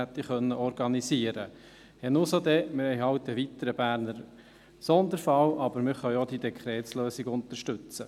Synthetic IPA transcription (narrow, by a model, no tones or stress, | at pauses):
ɛt̪ːiχœnːəɔɾɡɑnisiəɾə | hɛnʊsod̪ɛmɪhɛɪɦɑwt̪̚dɛʋit̪əɾəbæːɾnəɾ | sɔnd̪əɾfɑwʔɑb̥əɾmɪχœʏɔd̪id̪ɛkʰɾɛːtsløːsiɡʊnt̪əʃtɵt͡sə